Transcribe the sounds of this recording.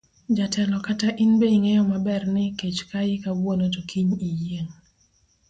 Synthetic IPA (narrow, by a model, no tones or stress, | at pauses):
d͡ʒatʰɛlɔkataʔinbeiŋejɔmabɛrnɪket͡ʃkaɪkawwonotokʰiɲijeŋ